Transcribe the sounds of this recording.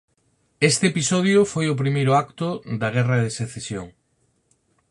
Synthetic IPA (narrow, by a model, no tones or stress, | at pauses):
est̪eepisɔð̞jʊfojʊp̬ɾimejɾʊakt̪ʊd̪ɐɣ̞ɛrɐðeseθesjo̰ŋ